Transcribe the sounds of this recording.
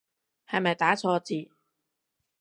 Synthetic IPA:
hɐ˨jmɐ˨jt̪aː˨˥t͡sʰɔː˧t͡siː˨

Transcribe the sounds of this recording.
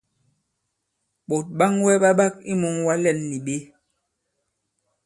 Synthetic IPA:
ɓo˨t̚ɓa˦ŋwɛ˦ɓa˦ɓa˦k̚i˦mu˨ŋwa˦lɛ˨nːi˨ɓe˦

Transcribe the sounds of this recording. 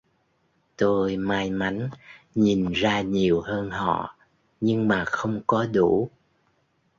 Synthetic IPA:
t̪o˧jmaː˧jma˨˦ŋɲi˨˩nzaː˧ɲi˨˩əwhəː˧nhɔ̰˧˨ | ɲɨ˧ŋmaː˨˩xə˧wŋ͡mkɔ˨˦ɗu˧˩

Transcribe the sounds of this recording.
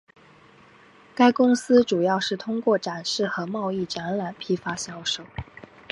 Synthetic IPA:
ka˥ɪkʊ˥ŋsɹ̩˥ʈ͡ʂu˨˩jɑ˥˧ʊʂɻ̩˥˩t̪ʰʊ˥ŋkwɔ˥˩ʈ͡ʂa˨˩nʂɻ̩˥˩xɤ˧˥mɑ˥˧ʊi˥˩ʈ͡ʂa˧˥nla˨˩˦npʰi˥fa˥ɕjɑ˥ʊʂo˨˩˦ʊ

